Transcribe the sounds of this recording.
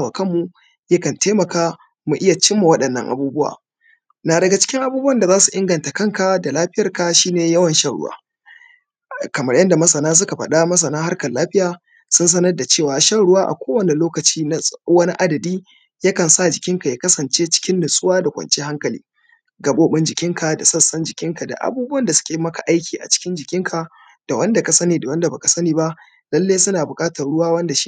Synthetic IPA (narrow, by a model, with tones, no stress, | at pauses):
a˦˨wa˨kɐ˦mːu˨ | jɐ˦kɐ˨nteː˦mɐ˨kaː˦ | mu˨ʔɪ˦ja˨t͡ʃɪ˦mːa˨wɐ˦ɗɐ˨nːɐ̰˦ŋʔa̰˨buː˦bʊ˦wa̰ː˨ | naː˨dɐ˨ɡa˨t͡ʃɪ̥˦kʲɪ˦ŋʔa˨buː˦bʊ˦wɐ˨nda˨zaː˦su˨ʔɪ˦ŋɡɐ˨nta˨kɐ˦˨ŋka˨da˨laː˦ɸɪ˦jɐ˨rka˨ʃiː˦neː˨jɐ˦wɐ˨nʃɐ˦˨ɽʊ̰˦wa̰ː˦ | kɐ˨mɐ˦rjɐ˦nda˨mɐ˦sɐ˨naː˦s̬ʊ˦ka˨ɸɐ˨ɗa˦mɐ˦s̬ɐ˨naː˦ɦa˦rkɐ˨lːaː˦ɸɪ˦jaː˨ | sʊ˦ns̬ɐ˦nɐ˦rda˨t͡ʃeː˦˨waː˨ʃa˦wɽʊ˦waː˦ʔa̰˨kʷoː˦wɐ˨ne˨loː˦kɐ˨t͡ʃiː˦n˦wɐ˦ni˦ʔa˦dɐ˨diː˦ | ja˦kɐ˨nsa˦˨d͡ʒɪ˨kʲɪ˦ŋka˨jaː˨˦kɐ˦sɐ˨nt͡ʃeː˦t͡ʃɪ̥˦kʲɪ˦nːʊ˨sʼʊ˦waː˦da˨kʷɐ̰˨nt͡ʃeː˦ha˦ŋkɐ˨lḭː˦ | ɡɐ˨ɓoː˦ɓɪ˦nd͡ʒɪ˨kʲɪ˦ŋka˨da˨sɐ˦sɐ˦nd͡ʒɪ˨kʲɪ˦ŋka˨da̰˨ʔa̰˨buː˦bʊ˦ɐ˦˨nda˨sʊ̥˦kʲeː˨mɐ˦ka˨ʔa˦jkʲiː˨ʔa̰˨t͡ʃɪ̥˦kʲɪ˦nd͡ʒɪ˨kʲɪ˦ŋkʰa˨ | d̥a˨wɐ˦nda˨ka˨sɐ˦niː˨da˨wɐ˦nda˨ba˨ka˨sɐ˦niː˨ba˦ʔ | lɐ˦lːeː˦sʊ˦naː˨bʊ˨kʼaː˦tɐ˨rɽʊ˦waː˦wɐ˦nda˨ʃi˦